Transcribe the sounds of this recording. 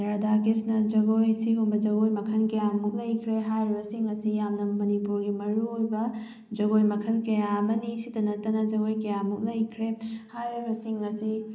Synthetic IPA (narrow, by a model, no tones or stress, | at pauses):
ɾaɾdakisnɐd͡ʒɐɡojsiɦumbɐd͡ʒɐɡojmɐkʰɐnkɐjamuk̚lɐjkʰɾeɦajɾibɐsiŋɐsijamnɐmɐnipuɾɡimɐɾuojbɐ | d͡ʒɐɡojmɐkʰɐlkɐjamɐnisitɐnɐtːɐnɐd͡ʒɐɡojkɐjamuk̚lɐjkʰɾehajɾibɐsiŋɐsi